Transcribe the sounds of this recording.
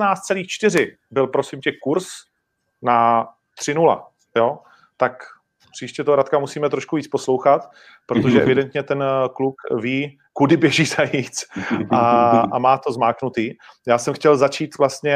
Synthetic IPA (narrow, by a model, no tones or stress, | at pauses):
naːst̪̚t͡sɛliːxt͡ʃt̪ɪrɪ | bɪlpɾo̞sɪmcɛkuɾs | na | t̪r̝̥ɪnula̰ | joː | t̪ak | pr̥iːʃcɛt̪oɦoɾat̪̚kamusiːmɛt̪ɾoʃkuviːt͡spo̞slo̞wxat̪ | pɾot̪oʒɛʔɛ̰vɪdɛnt̪ɲɛt̪ɛnklukviː | kudɪbjɛʒiːzajiːt͡sʔaamaːt̪o̞zmaːknut̪iːjaːsɛmxcɛlzat͡ʃiːt̪vlast̪ɲɛ